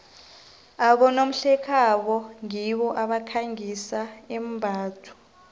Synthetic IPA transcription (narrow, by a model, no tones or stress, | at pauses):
aɓɔnom̩ɬɛkʰaɓɔŋiɓɔʔaɓakʰaŋisaɛmbʱaːtʰu̥